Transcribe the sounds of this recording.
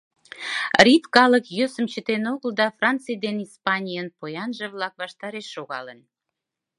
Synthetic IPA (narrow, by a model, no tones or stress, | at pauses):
rʲit̪kɑləkjøsə̆mt͡ɕət̪enoɣəld̪ɑfrɑnt͡sɨjd̪enispɑnʲijənpojɑnʒə̆βlɑkβɑʃt̪ɑɾeʃːoɣɑlən